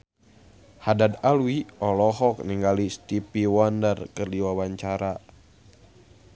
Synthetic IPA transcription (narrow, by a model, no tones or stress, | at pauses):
hadad̪alwiɔlɔɦɔk̚niŋɡalist̪ipiwandərkɨrdiwawaɲt͡ʃaɾa